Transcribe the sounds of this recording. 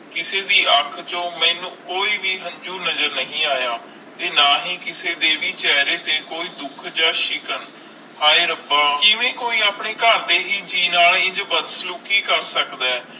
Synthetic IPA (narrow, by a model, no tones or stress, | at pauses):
kɪseːd̪iːʔəkʰt͡ʃõːmɛ̃ːnũːkoːiːʋiːɦə̃ɲd͡ʒuːnəd͡ʒəɾnəɦĩːaːjaː | t̪eːnaːɦiːkɪseːd̪eːʋiːt͡ʃɛːɾeːt̪eːkoːiːd̪ʊkʰd͡ʒaːʃɪkən | haːeːɾəbaːkɪʋẽːkoːiːaːpɳeːkəɾd̪eːɦiːd͡ʒiːnaːled͡ʒbəd̪sluːkiːkəɾsəkd̪aː